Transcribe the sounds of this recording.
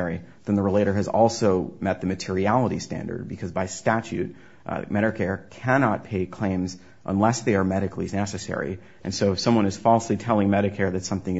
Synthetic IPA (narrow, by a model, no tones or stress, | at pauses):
ɛɹiðɨ̃nðəɹəleɪɾə˞ɨzɔ̰lˠsoʊmɛt̪̚ðɨmɨtʰɪɹiælˠəɾistæ̰̃ndə̰˞d̚bɨkʰʌzbaɪstæt͡ʃʉt̚ | mɛɾəkʰɛɹkʰænɑt̚pʰeɪkʰl̥ẽɪ̃mz | ʔə̰̃nlɛsðeɪə˞mɛɾɨklinɛsɨsɛ̰ɹḭ | ʔɨ̰̃nsoʊɨfsʌ̃mwʌ̃nɨz̥fɔlˠslitʰɛlˠɪ̃ŋmɛɾɨkʰɛɹðɨtsʌ̃mθɪ̃ŋ